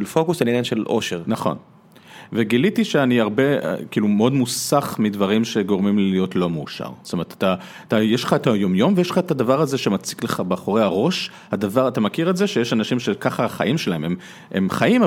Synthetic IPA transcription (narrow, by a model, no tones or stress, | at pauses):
lfo̞kusaninanʃelʔo̞̰ʃeʁnaχo̞̰n | veɡilitiʃeaniaʁbe̞̰kiːlumeo̞dmusaχmidvaʁimʃe̞ɡo̞ʁmimlijo̞tlo̞meuʃa̰ʁst̪omeʁet̪ḁt̪a | at̪ajeʃlχaet̪ajo̞mjo̞mvejeʃlχaet̪adavaʁaze̞ʃe̞mat͡si̥kle̞χabeaχo̞ʁehaʁo̞ʃ | hadavaʁat̪amakiʁetze̞ʃejeʃanaʃimʃekaχaaχa̰ʔimʃe̞lahemem | ḛmχaima